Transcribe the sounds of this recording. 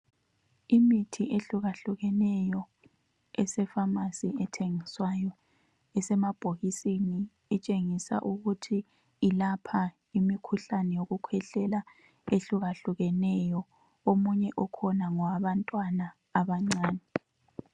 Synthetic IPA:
imitʰiʔeɬuɣaɬuɣɛnɛjɔ | ɛsɛfamasiɛtʰeŋiswajɔ | ɛsɛmab̥ʱoɣisini | ɛt͡ʃʼeŋisa̰ʔuɣutʰi | ilapʰa | imikʰuɬanɛjoɣukʰwɛɬɛla | eɬuɣaɬuɣɛnɛjɔ | omuɲɛʔɔkʰɔnaŋɔwaβantʼwanaː | βaŋ͡ǀaːnɛ

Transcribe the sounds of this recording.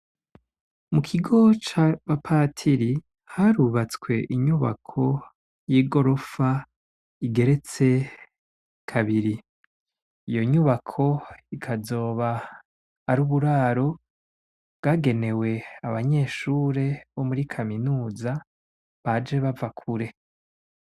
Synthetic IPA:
mukʰiɡo̞t͡ʃaβapʰaːtʰiɾi | haɾuβat͡skwe̞ʔiɲuβa̰kʰo̞ | jiːɡo̞ɾo̞fa | iɡe̞ɾe̞t͡se̞ | kʰaβiɾi | ijo̞ɲuβakʰo̞ikʰazo̞ːβaː | ɾuːβuɾaːɾo̞ | bɡaːɡe̞ne̞we̞aβaɲe̞ːʃuːɾe̞βo̞muɾikʰaminuːza | βad͡ʒe̞βavakʰuɾe̞

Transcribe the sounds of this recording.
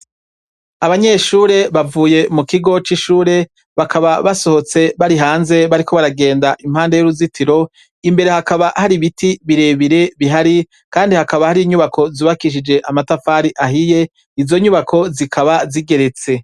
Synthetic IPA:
aβaɲe̞ʃuːɾe̞βavuːje̞mukiɡo̞t͡ʃiʃuːɾe̞ | βakʰaβaβaso̞ho̞t͡se̞βaɾiɦaːnze̞βaɾiko̞βaɾaɡe̞ːndaʔim̥haːndejuɾuzitʰiɾo̞ | imbe̞ɾe̞hakaβahaɾiβitiβiɾe̞βiɾe̞βiɦaɾi | kaːndihakaβahaɾiːɲuβakʰo̞zuβakiʃ̬id͡ʒe̞ʔamatafaːɾiʔaɦije̞ | izo̞ɲuβakʰo̞zikʰaβaziɡe̞ɾe̞t͡se̞

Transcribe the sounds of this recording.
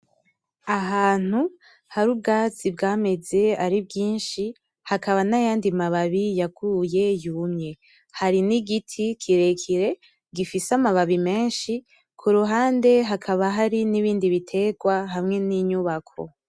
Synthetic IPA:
aɦaːn̥u | haɾub̚ɡaːt͡sibɡaːme̞ze̞aɾibɡiːnʃi | hakʰaβanajaːndimaβaβijaɡuje̞juːmɲe̞ | haɾiniɡitʰikʰiɾe̞kʰiɾe̞ | ɡifisamaβaβime̞ːnʃi | kʰuɾuɦaːnde̞ɦakʰaβaɦaɾiniβiːndiβitʰe̞ɡwaɦamŋe̞niɲuβakʰo̰

